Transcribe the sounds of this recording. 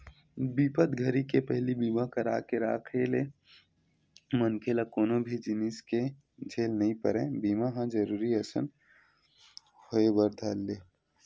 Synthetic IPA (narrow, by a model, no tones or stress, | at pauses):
biːpət̪ɡʱəɾikepɛɦlibiːmãkɐɾaːkeɾaːkʰeːle | mənkʰelakoːnobʱid͡ʒɪniske | d͡ʒʱeːlnɐɦĩpə̰ɾẽːbiːmaɦãd͡ʒəɾuːɾiɐsə̰n | hoebəɾd̪ʱaːlːeː